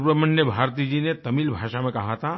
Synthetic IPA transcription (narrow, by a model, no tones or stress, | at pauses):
pɾəmənjəbʱaːɾt̪id͡ʒinet̪ɐmiːlbʱaːʃamẽkɐɦat̪ʰa